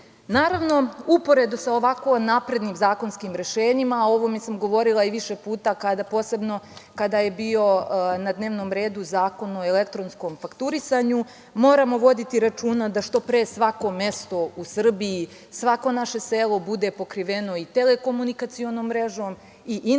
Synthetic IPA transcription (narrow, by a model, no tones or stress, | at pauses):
naːɾaʋno̞upo̞ɾe̞d̪usaoʋako̞napɾe̞d̪niːmzaːko̞nskimɾe̞ʃeːɲimao̞ʋomesamɡo̞ʋo̞ɾilˠaiʋiʃepuːt̪akad̪apo̞ːse̞bno̞kad̪aje̞bio̞nad̪ne̞ːʋno̞ːmɾe̞ːd̪uzaːko̞noelek̚t̪ɾonsko̞mfakt̪uɾisaɲu | moːɾamo̞ʋo̞d̪it̪iɾat͡ʃuːnad̪aʃt̪o̞pɾesʋako̞me̞st̪o̞usr̩biː | sʋako̞naʃe̞seːlˠo̞bud̪e̞po̞kɾiʋe̞no̞it̪eleko̞munikat̪sio̞noːmːɾeʒoːm | iʔ